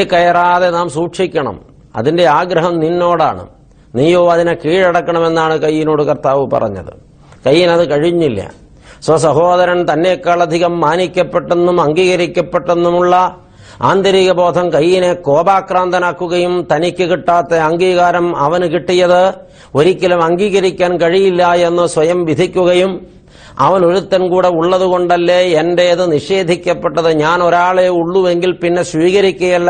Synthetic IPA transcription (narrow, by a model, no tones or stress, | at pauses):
kɐjɐraːðe̞naːmsuːʂikʲːɐɳɐ̰m | ɐ̰ðinde̞aːɡɾɐɦɐmninːo̞ːɽa̰ːɳɨ̰ | nijoːɐðinekiːɻeɽɐkːɐɳɐme̞nːaːɳɨkɐjːino̞ːɽɨkɐrt̪aːʋɨpɐ̰rɐ̰ɲːɐ̰ðɨ̰ | kɐjːinɐðɨkɐɻiɲːilːɐ̰ | swɐs̬ɐɦo̞ːðɐɾɐnt̪ɐnːekːaːɭɐd̪ʱiɣɐmːaːnikʲːɐpːe̞ʈːe̞nːumɐŋɡiːɣɐɾikʲːɐpːe̞ʈːe̞nːumuɭːɐ | a̰ːnd̪ɐɾiːɣɐbo̞ːd̪ʱɐmkɐjːinekoːbaːkraːnd̪ʱɐnaːkːuɣɐjumt̪ɐnikʲːɨkiʈːaːt̪ːeɐŋɡiːɣaːɾɐmɐʋɐnkiʈːijɐðɨ | oɾikʲːɐlumɐŋɡiːɣɐɾikʲːaːnkɐɻijilːɐjenːɨsʋɐjɐmʋid̪ʱikʲːuɣɐjum | ɐ̰ʋɐno̞ɾut̪ːɐnkuːɽeuɭːɐðuɣoɳɖɐlːeendejɐðɨniʂe̞ːd̪ʱikʲːɐpːɐʈːɐðɨɲaːnoɾaːɭeuɭːuʋeŋɡilpinːe̞sʋiːɣɐɾikʲːɐjɐlː